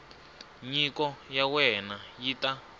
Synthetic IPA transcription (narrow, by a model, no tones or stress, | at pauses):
ɲikɔjawɛnajita